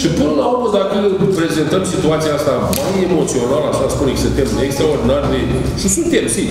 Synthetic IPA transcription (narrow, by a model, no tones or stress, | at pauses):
ʃipɨnəlaurməzak̪ilpɾe̞zent̪əmsit̪uat̪siaast̪amajemo̞t̪sio̞nalaʃaspunekʲsɨnt̪emnekst̪ɾaord̪inarre | ʃisunt̪e̞msi